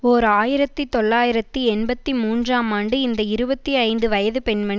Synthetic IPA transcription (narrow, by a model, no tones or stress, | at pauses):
oːɾaːjɪɾɐt̪ːit̪ɔɭːaːjɪɾɐt̪ːɯɛnbɐt̪ːimuːndraːmaːɳɖɯɪnd̪ɐɪɾɯbɐt̪ːiɐɪnd̪ɯʋɐjɐðɯpɛnmɐɳ